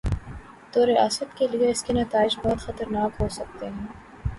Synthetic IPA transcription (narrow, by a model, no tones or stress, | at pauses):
t̪oɾɪa̰ːsət̪kelieɪskenɐt̪aːɪd͡ʒbɔɦt̪xɐt̪əɾnaːkɦoːsɐk̚t̪eɦɛ̃ː